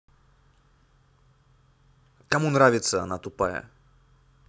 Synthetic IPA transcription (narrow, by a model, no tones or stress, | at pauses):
kamunɾavʲɪt̪səanat̪upajɛ̰